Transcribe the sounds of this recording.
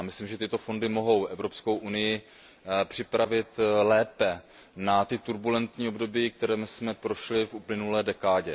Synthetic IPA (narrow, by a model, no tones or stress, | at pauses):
amɪslimʒɛt̪ɪt̪o̞fo̞ndɪmo̞ɦo̞wʔɛvɾo̞psko̞wʔunɪjɪ | pr̝̥ɪpɾavɪt̪lɛːpɛ | nat̪ɪt̪uɾbulɛnt̪ɲiːobdo̞biːk̚t̪ɛɾɛːmsmɛpɾo̞ʃlɪfʔuplɪnulɛːdɛkaːɟɛ